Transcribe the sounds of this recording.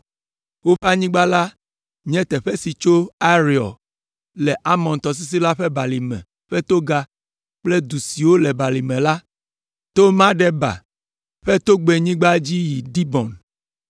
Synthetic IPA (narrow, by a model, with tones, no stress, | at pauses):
wo˦ɸa˦ɲĩ˦ɡ͡ba˦la˦ | ɲɛ̃˦t̪ɛ˨ɸɛ˦si˨t͡ʃo˦a˦ɾi˨ɔ̰˨ | lɛ˨ʔa˦mɔ̃˨n˨t̪ɔ˨s̬i˦s̬i˦la˦ɸɛ˦ba˨li˨mɛ̰̃˨ | ɸɛ˦t̪o˦ɡa˦ | k͡ple˦d̪u˨si˨wo˦lɛ˨ba˨li˨mɛ̃˨la˦ | t̪o˦mã˦ɖɛ˦ba̰˨ | ɸɛ˦t̪o˦ɡ͡be˨ɲĩ˦ɡ͡ba˦d͡ʑi˦ji˨d̪i˦bɔ̃˨n